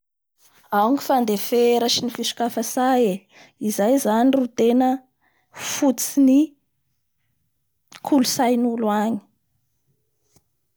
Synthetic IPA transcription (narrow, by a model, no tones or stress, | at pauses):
awŋifand̪efeɾəʃinifiʃu̥kafəsaje | izajzanirut̪enə | fut͡sini | kʰulusajnuluaɲi̥